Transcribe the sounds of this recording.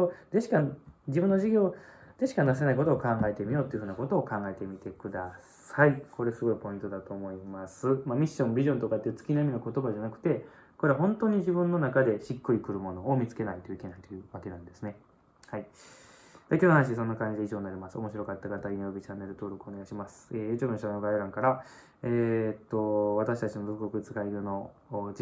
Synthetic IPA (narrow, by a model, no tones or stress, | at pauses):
od̪eɕi̥kad͡ʑibɯ̃nːo̞ʑiɡʲo̞ːd̪̥e̞ɕi̥kanasenaiko̞t̪o̞ːkãŋɡae̞t̪e̞mʲio̞ːt̪o̞jiɯ̟ɸɯ̟ːnako̞t̪o̞ːkãŋɡae̞t̪e̞mʲit̪e̞kɯ̟d̪a | saiko̞ɾe̞sɨɡo̞ipo̞ĩnt̪o̞d̪at̪o̞ːmo̞imasɨmamʲiɕːõ̞mbʲiʑõ̞nt̪o̞kat̪ːeiɯ̟t͡sɨ̥kʲinaiminoko̞t̪o̞baʑanakɯ̟̥t̪e̞ | ko̞ɾe̞aɦõ̞nt̪o̞ːɲ̟iʑibɯ̟̃nːo̞nakad̪e̞ɕikːɯ̟ɾʲikɯ̟ɾɯ̟mo̞no̞omʲit͡sɨ̥ke̞nait̪oike̞nait̪o̞jɯ̟ːβake̞nãnd̪e̞sɨne̞ | hai | d̪̥akʲonoɦanaɕiis̬õ̞nːakãɲd͡ʑideiʑoːnːaɾʲimasɨo̞mo̞ɕiɾo̞kat̪ːakat̪ainobʲit͡ɕanːe̞ɾɯ̟t̪o̞ːɾo̞kɯ̥oneɡaiɕimasɨ̥et͡ɕonɕanoɡaiɾãŋkaɾa | eːt̪ːo̞βat̪aɕit̪at͡ɕino̞zokokɯ̟it͡sɨ̥kaiɡɯno̞